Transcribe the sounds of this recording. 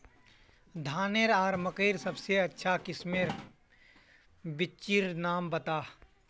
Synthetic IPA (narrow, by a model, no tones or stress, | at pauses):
d̪ʱaːneɾaːɾməkeɪɾsɐbseɐtːʃʰakɪsmeɾ | bɪt͡ʃiɾnaːmbət̪aː